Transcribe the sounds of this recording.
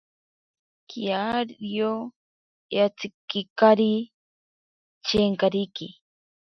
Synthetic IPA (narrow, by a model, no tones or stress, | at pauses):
kiaɾjo | jat͡sikikaɾi | t͡ʃeŋkaɾiki